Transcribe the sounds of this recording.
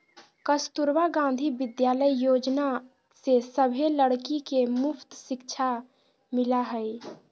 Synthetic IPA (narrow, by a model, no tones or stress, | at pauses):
kəst̪uɾwaɡãːn̆d̪ʱibɪd̪jaːləijoːd͡ʒna | sesəbʱeləɽkikemʊpʰt̪ʃɪkt͡ʃʰa | mɪlaɦəi